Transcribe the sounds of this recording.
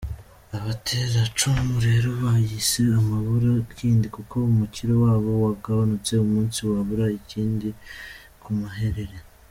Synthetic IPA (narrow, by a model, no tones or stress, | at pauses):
aβatʰeɾat͡ʃumuɾe̞ɾoβajise̞amaβuɾakʰiːndikuko̞umuciɾowaːβo̞waɡaβanut͡se̞umuːnsiwaβuɾaiciːndi | kʰumaɦe̞ɾe̞ɾe̞